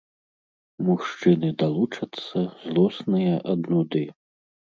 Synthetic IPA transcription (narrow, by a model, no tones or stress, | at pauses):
muʂt͡ʂɨnɨd̪alˠut͡ʂɐt̪sːɐzlˠɔsnɨjɐʔɐd̪nud̪ɨ